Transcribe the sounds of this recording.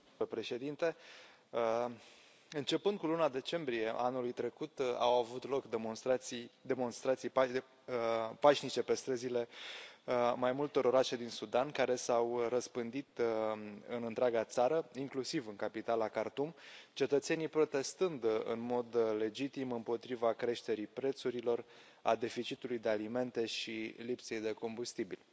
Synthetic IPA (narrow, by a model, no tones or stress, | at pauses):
pɾe̞ʃe̞d̪int̪e̞ | ɨnt͡ʃe̞pɨnd̪̚kulunad̪e̞t͡ʃe̞mbɾije̞anulujt̪ɾe̞kut̪a̰wavut̪lo̞kd̪monst̪ɾat̪sijd̪e̞mo̞nst̪ɾat̪sij | paʃnit͡ʃe̞pe̞st̪ɾəzile̞ | majmult̪o̞ɾo̞ɾaʃe̞d̪insud̪ankaɾe̞sawɾəspɨnd̪it̪ | ɨnɨnt̪ɾʲaɡat̪saɾəiŋklusivɨŋkapit̪alakart̪umt͡ʃe̞t̪ət̪se̞nijpɾo̞t̪e̞st̪ɨnd̪ɨ̰nmo̞d̪le̞d͡ʒit̪imɨmpo̞t̪ɾivakɾe̞ʃt̪e̞ɾipɾe̞t̪suɾilo̞r | a̰d̪e̞fit͡ʃit̪ulujd̪e̞alime̞nt̪e̞ʃilipse̞jd̪e̞ko̞mbust̪ibilʲ